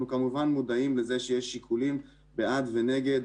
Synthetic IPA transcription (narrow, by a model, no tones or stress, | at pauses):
nukamuvanmud̪aimleze̞ʃejeʃːikʰulim | bead̪vene̞ɡe̞d̪